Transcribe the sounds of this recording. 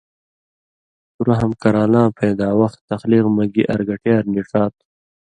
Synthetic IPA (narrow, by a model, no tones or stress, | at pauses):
tuɾaɦɐmkɐɾaːlãːpʰeːd̪aːwɐxt̪ːɐxliːqmɐɡiʔɐ̰ɾɡɐʈjaːɾniʈ͡ʂaːt̪̚